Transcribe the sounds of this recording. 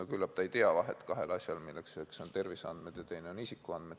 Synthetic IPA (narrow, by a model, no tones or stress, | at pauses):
okylːɑb̥̚t̪ɑejt̪eɑʋɑɦe̞̰t̪ːˑkɑɦe̞̰lɑsʲjɑlmilːeksekso̞nt̪e̞rviseɑ̰nd̪̥med̪̥jɑt̪e̞jneonisikːˑuɑnd̪me̞d̪